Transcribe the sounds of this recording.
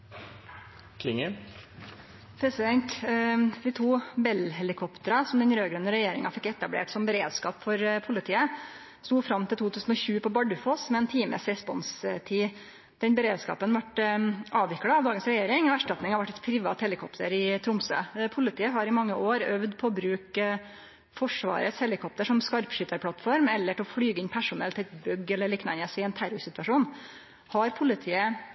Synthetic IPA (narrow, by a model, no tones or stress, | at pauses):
kʰlɪŋə | pʰɾɛsɪd̪ɛnt̪d̪ɪt̪ʰuːbɛlɦɛlɪkʰɔpt̪əɾɑsɔmd̪ɛnɾøːɡɾœnəɾɛjeːɾɪŋɑfɪkːɛt̪ːɑblḛːʈsɔmbəɾeːd̪skɑ̰ːpfɔɾpʰʊlɪt̪ʰiːə | st̪uːfɾɑmt̪ʰɪlt̪ʰuːt̪ʰʉːsn̩ɔɕʉːpʰɔbɑɖʉfoːsmɛɛːnt̪ʰiːmə̰sɾɛspɔnst̪ʰiː | d̪̥ɛnbəɾeːd̪skɑ̰ːpənʋɑʈɑːʋɪklɑɑʋd̪ɑːɡənsɾɛjeːɾɪŋɔæʂʈɑt̪nɪŋɑʋæʈːɛt̪pʰɾɪʋɑ̰ːt̪hɛlɪkʰɔpt̪əɾɪt̪ʰɾʊmsø̰ːpʰʊlɪt̪ʰiːəɦɑɾɪmɑŋːəʔoːɾœʋd̪pʰɔɔbɾʉːk | fɔʂʋɑ̰ːɾəshɛlɪkʰɔp̚t̪əʂɔmskɑɾpʂʏt̪əɾpʰlɑt̪fɔɾmɛlːəʈʰɪlɔfɽyːɡəɪnpʰæʂʊnɛ̰lt̪ʰɛt̪bœɡːɛlːəɭiːknɑ̰nəsɪɛnt̪ʰæɾʊɾsɪt̪ʉʋɑʂuːn | hɑɾpʰʊlɪt̪ʰiːə